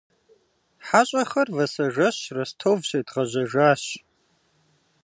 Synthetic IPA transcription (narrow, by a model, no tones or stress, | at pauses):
ħaɕʼɐχɐrvɐsɐʒɐɕrɐstʰowvɕedʁɐʑɐʒaːɕ